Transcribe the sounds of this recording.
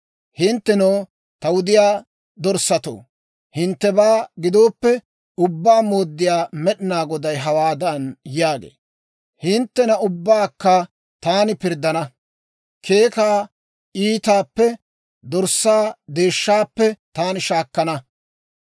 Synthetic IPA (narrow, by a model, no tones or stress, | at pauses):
hɪnt̪ːɛnoː | t̪ɐwʊd̪ɪjaː | d̪ɔɾsːɐt̪o̰ː | hɪnt̪ːɛbaːɡɪd̪o̞ːpːɛ | ʊbːaːmoːd̪ːɪjaːmɛɗɪnaːɡɔd̪ɐjɦɐwaːd̪ɐnjaːɡḛː | hɪnt̪ːɛnɐʊbːaːkːɐ | t̪aːnɪpɪɾd̪ːɐnɐ | kʰe̞ːkaː | iːt̪aːpːɛ | d̪ɔɾsːaːd̪e̞ːʃːaːpːɛt̪aːnɪʃaːkːɐnɐ